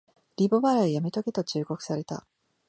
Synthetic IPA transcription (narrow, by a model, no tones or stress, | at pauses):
ɾʲibo̞βaɾaijamʲit̪o̞ɡet̪o̞t͡ɕɨːɡo̞kɯ̟̥saɾe̞t̪a̰